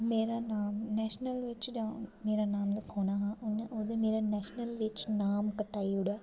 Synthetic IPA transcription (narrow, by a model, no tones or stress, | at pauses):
meːɾaːnaːmnɛːʃnəlʋɪt͡ʃd͡ʒãmeːɾaːnaːmd̪əkʰoːnaːɦãːonod̪emeːɾaːnɛːʃnəlʋɪt͡ʃnaːmkəʈːaːiʊɽɛː